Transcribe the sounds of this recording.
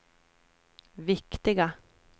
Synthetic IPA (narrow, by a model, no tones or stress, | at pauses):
vɪkt̪ɪɡa